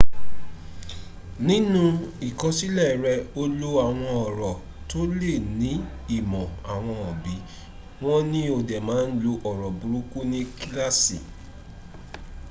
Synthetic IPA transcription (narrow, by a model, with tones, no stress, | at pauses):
nĩ˦nũ˦i˨kɔ̃˨˦si˦lɛ˦˨ɾɛ˧o˦lo˦a˨w̃ɔ̃˧ɔ˨ɾɔ˨ | to˦le˦˨nĩ˨˦ | i˦˨mɔ̃˨a˨w̃ɔ̃˧ɔ˨bi˨˦ | w̃ɔ̃˦nĩ˦o˧dɛ˨mãː˨˦n̩˦lo˧ʔɔ˨ɾɔ˨bu˨ɾu˦ku˦nĩ˦ki˦la˦sḭ˨